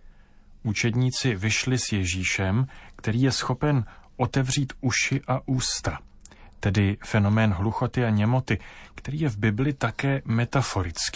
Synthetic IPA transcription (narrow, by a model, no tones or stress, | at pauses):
ʔut͡ʃɛdɲiːt͡sɪvɪʃlɪsjɛʒiːʃɛmkt̪ɛɾiːjɛsxo̞pɛnʔo̞t̪ɛvr̝iːt̪uʃɪʔaʔuːst̪a | t̪ɛdɪfɛno̞mɛːnɦluxo̞t̪ɪaɲɛmo̞t̪ɪkt̪ɛɾiːjɛvbɪblɪt̪akɛːmɛt̪afo̞ɾɪt͡skiː